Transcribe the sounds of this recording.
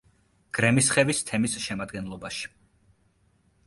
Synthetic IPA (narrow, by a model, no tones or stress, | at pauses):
ɡ̥ɾɛmisχɛvist̪ʰɛmisʃɛmad̪ɡɛnlˠɔbaʃi̥